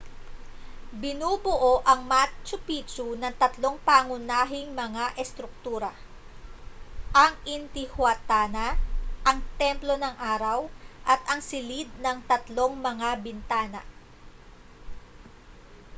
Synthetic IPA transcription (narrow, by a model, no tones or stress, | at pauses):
bɪnuːbʊʔo̞ʔɐŋmat͡ʃʊpit͡ʃunɐŋt̪ɐt̪lo̞ŋpaːŋʊnaːɦɪŋmɐŋaʔɛst̪ɾʊk̚t̪uːɾɐ | ʔɐŋʔɪnt̪ɪhwat̪aːnɐʔɐŋt̪ɛmplo̞nɐŋʔaːɾɐwʔɐt̪ɐŋsɪlid̪̚nɐŋt̪ɐt̪lo̞ŋmɐŋabɪnt̪aːnɐ̰